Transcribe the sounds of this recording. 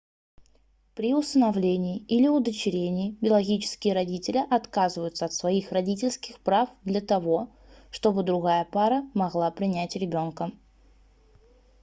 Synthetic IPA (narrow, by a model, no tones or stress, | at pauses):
pɾʲɪʊst̪ənɐvlʲenʲɪːilʲɪʊd̪ət͡ɕɪɾʲenʲɪːbʲɪlˠɐɡʲit͡ɕɪ̥skʲɪjəɾɐdʲitʲɪlʲɪʔɐt̪kazɨvəjʊt̪səɐt̪svɐixrɐdʲitʲɪlʲskʲɪxpɾafd̪lʲət̪ɐvo̞ | ʂt̪o̞bɨd̪ɾʊɣajəpaɾəmɐɣlˠapɾʲɪnʲætʲɾʲɪbʲo̞nkə